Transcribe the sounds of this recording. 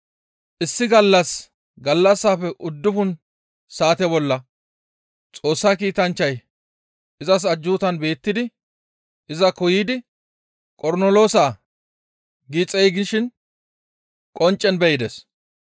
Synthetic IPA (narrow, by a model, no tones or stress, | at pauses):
ʔɪsːɪɡɐlːɐs | ɡɐlːɐsːaːfɛʔʊd̪ːʊfʊn | saːt̪ɛbɔlːɐ | t͡sʼo̞ːsːaːkiːt̪ɐnt͡ʃːɐj | ɪzɐs̬ɐd͡ʒːuːt̪ɐnbe̞ːt̪ːɪd̪ɪ | ɪzɐkɔjiːd̪ɪ | kʼɔɾnolo̞ːsaː | ɡiːt͡sʼɛjɡɪʃɪn | kʼɔnt͡ʃʼːɛnbɛjɪd̪ɛs